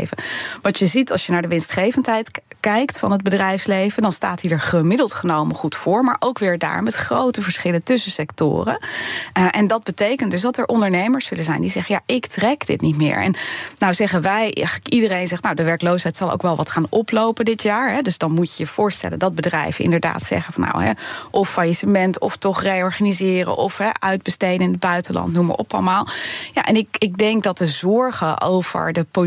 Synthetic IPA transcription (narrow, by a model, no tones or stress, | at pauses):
ḛjvəʋɑtjəzitɑ̰lˠsjənaːɹdəʋɪnstχejvəntɦɛjtkɛjktfɑ̰nɦəd̚bədrɛjfslejvədɑnsta̰ːtɦidəɹχəmɪdəlˠtχənowməχutfʊːɹmaːɹʔowkʋɪːɹda̰ːɹmɛtχrowtəvəɹsχɪləntɵsəsɛktʊ̰ːrə̰ | ʔɛndɑd̚bətejkəntdɵsdɑtəɹʔɔndəɹnejməɹsːɵlənzɛjndizɛχənja̰ʔɪktrɛkdɪ̰tnitmɪ̰ːɹɛ̰nnawzɛχəʋɛjχələkidərejnzɛχtnawdəʋɛɹklowsɦɛjtsɑlˠo̰wkʋɛlˠʋɑtχaːnɔplowpəndɪtjaːɹɦɛdɵsdɑnmucəjəv̥ʊːɹstɛ̰ləndɑd̚bədrɛ̰jvəɪ̰ndəɹda̰ːtsɛ̰χəfɑnːa̰wɦɛ̰ʔɔfajisəmɛntɔftɔχrejɔɹχanizɪːrə̰ʔɔfɦɛʔœɥd̚bəstejdənɪnəd̚bœɥtəlʔɑ̰ntnumə̰ɹʔɔ̰pɑ̰lˠmaːlˠja̰ʔɛnɪkɪɡ̚dɛŋk̚dɑt̚əzɔɹχəʔo̰wv̥ə̰ɹdəpo